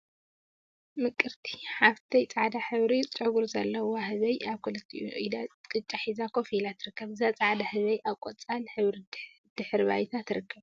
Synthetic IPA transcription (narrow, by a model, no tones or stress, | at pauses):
mɨkʼɨɾt̪ʰi̥ħaβt̪ʰɐjt͡sʼaʕd̪aħɨβɾit͡sʼɨɡuɾzɐlːɐwohɨβɐjaβkʰolɐt̪ʰːḭʔuʔid̪akʼɨt͡ʃʼːaħizakʰofilat̪ʰɨɾɨkːɐβɨzat͡sʼaʕd̪ahɨβɐjʔaβkʷʼot͡sʼalħɨβɾi | d̪̥ɨħɨɾβa̰jt̪ʰat̪ʰɨɾɨkʰːɐβ